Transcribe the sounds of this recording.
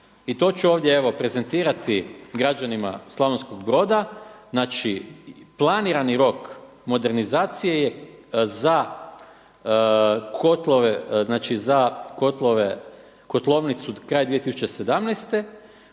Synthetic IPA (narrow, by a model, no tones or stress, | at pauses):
it̪o̞ːt͡ʃuoːʋd̪jeeʋo̞pɾe̞ze̞nt̪iːɾat̪iɡɾad͡ʒanima̰slˠaʋonsko̞ɡbɾo̞ːd̪aznaːt͡ʃiplˠaniɾaniɾo̞k | mo̞d̪e̞ɾnizaːt̪sijejeza | kʰot̪lˠoʋeznaːt͡ʃizako̞t̪lˠoʋe | ko̞t̪lˠo̞ːʋnit̪sukɾaːjd̪ʋije̞t̪isu̥t͡ʃe̞se̞d̪amnɛjst̪e̞